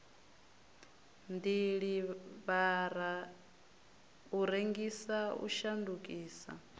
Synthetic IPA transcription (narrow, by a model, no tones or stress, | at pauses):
nd̪iɺiβaɾa | uɾeŋɡisaṵʃandukʼiːsa̰